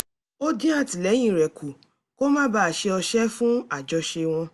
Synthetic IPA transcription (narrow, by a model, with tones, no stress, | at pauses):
o˦dĩ˦a˦˨ti˨lɛ˨˦j̃ĩ˦˨ɾɛ˨kʰu˨ | ko˦mãː˦ba˦a˨ʃe˧ɔ˧ʃɛ˦fũ˦a˦˨d͡ʒɔ˧ʃe˧w̃ɔ̃˧